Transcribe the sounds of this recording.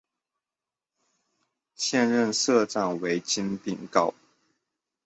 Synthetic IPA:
ɕjɛ˥˧nɻə˥˨nʂɤ˥˧ʈ͡ʂa˥˩ŋwe˧˥ɪt͡ɕi˦nt̪i˥˨˩ŋkɑ˥˩ʊ

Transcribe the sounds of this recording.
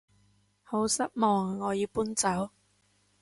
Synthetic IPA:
ho˨˥wsɐ˥t̚mɔː˨ŋːɔː˨˧jiː˨˧wpuː˥nt͡sɐ˨˥w

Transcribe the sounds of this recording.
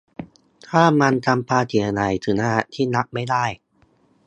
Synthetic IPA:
t̪ʰaː˥˩ma˧nt͡ɕa˧mpʰaː˧t̪ʰi˨˩˦ɐ˧na˩˦jt̪ʰɯ˩˦naː˥˩t̪ʰiː˥˩na˦˥k̚ma˥˩jda˥˩j

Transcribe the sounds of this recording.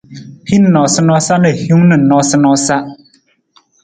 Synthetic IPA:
pʰi˦n˨nɔ˨sɨ˦nɔ˦sa˦nɨ˨hju˦ŋnɨ˨nɔ˦sɨ˦nɔ˦sa˦ʔ

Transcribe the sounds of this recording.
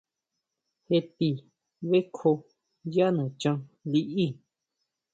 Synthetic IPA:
he˧t̪i˧˨ | βe˦kʰo˧ | ja˦nũ˨t͡ʃã˧li˧ʔi˦˨

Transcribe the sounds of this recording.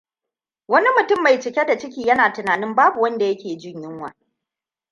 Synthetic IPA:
wɐ˦ni˦mʊ˨tʊ˦mːa˨jt͡ʃɪ˨kʲe˦da˨t͡ʃɪ˦kʲiː˨jɐ˦naː˨tʊ˨naː˨nɪ˦mbaː˦bu˨wɐ˦nda˨jɐ˦kʲeː˨d͡ʒɪ˦ɲjɪ˦ŋwa̰ː˨

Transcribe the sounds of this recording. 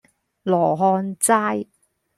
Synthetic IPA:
lɔː˨˩ɦɔː˧nt͡saː˥j

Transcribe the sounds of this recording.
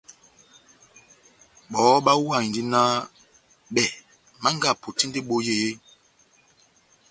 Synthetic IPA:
ɓɔː˨˦ɓa˦wa˦˨ŋ˨di˦na˦ | ɓɛ˨ | ma˦ŋ˦ɡa˦˨po˨ti˦ndi˦ɓo˦je˦˨e˦

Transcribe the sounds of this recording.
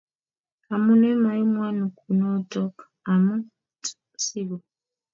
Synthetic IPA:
a˨mu˦nɛ˦ma˨ji˦mwa˦nu˨ku˨nɔ˦tɔ˦kḁ | a˨mu˦ | t | si˦βɔ˨

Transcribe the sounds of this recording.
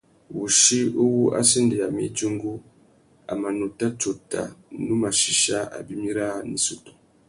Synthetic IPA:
wu˨ʃi˦u˦wu˦ʔa̰˦si˦nde˨a˨mḭ˨˦d͡ʒu˦ŋɡu˦ | a̰˨ma˨no˨ta˦t͡ʃo˨ta̰˨nu˦ma˨ʃi˨ʃa˦a̰˨bi˦mi˦ɾa˦ni˨su˦tu̥˨

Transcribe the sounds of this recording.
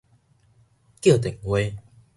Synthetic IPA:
ki˥˩˨t̪e˨˩˨ŋwe˧˦

